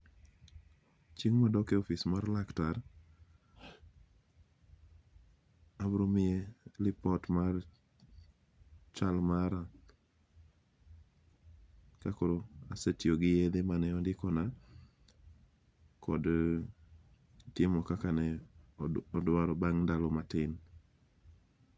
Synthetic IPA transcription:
t͡ʃiŋmadɔkeɔfismarlaktar | abɾomɪelɪpɔtmar | t͡ʃalmaɾa | kakoɾoasetioɡɪjed̪emanɛɔndɪkɔna | kʰɔd | tɪmɔkakanɛ | ɔdwaɾɔbaŋndalɔmatɪn

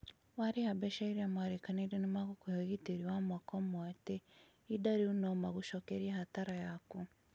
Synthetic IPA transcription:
waɾehabɛʃaiɾiamwaɾekaneɾenemaɣukujoɣiteɾiwamwakɔmwate | idaɾiunɔmaɣuʃɔkeɾiahataɾajaku

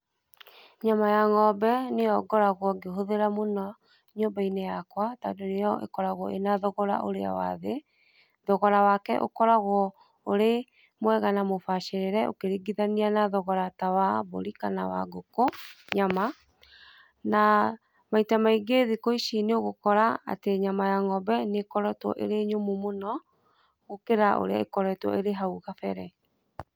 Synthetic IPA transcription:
ɲamajaŋɔbɛnejɔɡɔɾaɣwɔɡeɦoðeɾamonɔ | ɲoːmbainejakwata̰ndonejɔʔḛkɔɾaɣwɔ̰ʔenaðɔɣɔɾa̰ʔo̰ɾḛa̰wa̰ðe | ðɔɣɔɾawakɛ̰ʔo̰kɔɾaɣwɔ | oɾe | mwɛɣanamofaʃeɾeɾɛʔo̰keɾiɡiðanianaðɔɣɔɾatawaβo̰ɾikanawaɡokoɲama | na | maitamaiɡeðikoiʃineoɣokɔɾaa̰teɲamajaŋɔbɛnekɔɾɔtwɔ̰ʔḛɾeɲomumonɔ | ɣokeɾaʔo̰ɾeaekɔɾɛtwɔ̰eɾeɦauɣafɛɾɛ

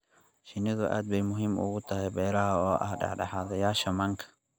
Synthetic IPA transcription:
ʃɪnɪðʊʔa̰ːd̪̚bɛjmʊɦiːmʊ̰ɣʊt̪ʰɐɦɛjbɛːɾɐɦɐɔːʔɐ̰hɖɑ̰ħɖɑ̰ħaːðɐjaːʃɐmɐŋkʰɐ̥

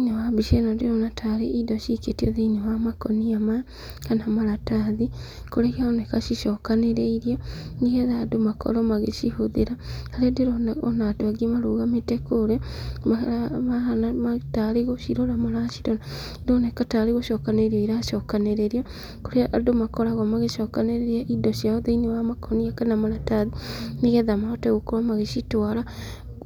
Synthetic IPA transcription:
iɲewabiʃenadiɾonatʰaleʔidoʃiketioðiɲowamakoniama | kanamaɾataːði | kuɾekiaonekaʃiʃokaneɾeiɾjonijeðadumakʰo̰ɾomaɣeʃihuðiɾakaɾediɾoonatuaɡimaɾuɣamitekuɾemamaanamataɾeɣoʃiɾoɾamaɾaʃi̥ɾɔna | donɛkataɾeɣoʃɔkaneiɾɔiɾaʃɔkaneɾeɾia | koɾeaʔadomakɔɾaɣwamaɣeʃɔkaneɾeɾiaʔidɔʃjaoðɛinewamakʰɔniakɛnamaɾataðiniɣɛðamaɔtɛɣokoɾwamaɣeʃitwaɾa

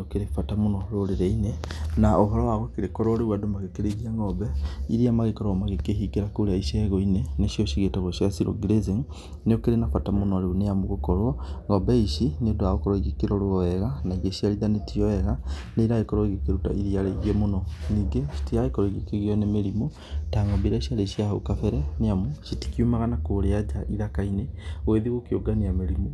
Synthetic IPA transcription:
okeɾefatamonɔɾoɾeɾeinenaoɦɔɾɔwaɣɔkeɾekɔɾɔɾewadomaɣekeɾeɣiaŋɡɔbɛḭɾiamaɣekɔɾɔmaɣekehikeɾakoɾaiʃeɛɣɔineneʃioʃiɣetaɣoʃiɣasiɾo̰ɡiɾeziŋ | neokeɾenafatamonɔɾeonejamoɣokɔɾwɔŋɡɔbɛiʃineodoaɣokɔɾɔiɣekeɾɔɾoɔɛɣanaiɣeʃialiðanetijɔɛɣaneiɾaekɔɾwɔiɣekeɾuta̰ʔiðialeiɣemonɔniɡeʃi̥tiaekɔɾɔiɣekeɣjɔnemeɾimo | taŋɔmbiɾaʃaleʃiaaṵkafɛɾɛneamuʃiti̥kjumaɣanakoɾead͡ʒaʔiðakaineweðiɣokjoɡaniameɾimo

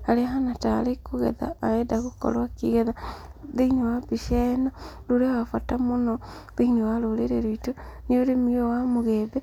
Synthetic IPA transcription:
aɾeaɦanata̰ɾekoɣɛ̰ða̰ːɛdaɣokɔ̰ɾwakiɣɛðaðeinewabiʃɛnaɾoɾewafatamonɔ | ðeinewaɾoɾeɾeɾoito | neoɾemiowamoɣɛbɛ

